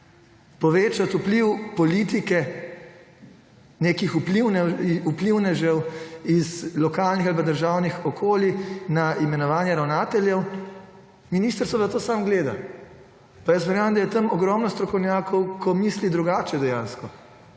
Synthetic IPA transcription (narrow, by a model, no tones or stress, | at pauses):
pɔʋeːt͡ʃat̪upliwpɔlit̪ikɛ | neːkixupliwnɛupliwnɛʒɛwizlɔkaːlnixalpad̪əɾʒawnixɔkʰoːlinaimɛnɔʋaːnjɛɾawnaːt̪ɛljɛw | miniːst̪əɾsʋɔzat̪oːsaːmɡleːd̪a̰ | pajasmɛɾjaːmd̪ajɛt̪ɐmɔɡɾɔmnɔst̪ɾɔkɔwnjaːkʰɔwkʰɔmislid̪ɾuɡaːt͡ʃɛd̪ɛjãːnskɔ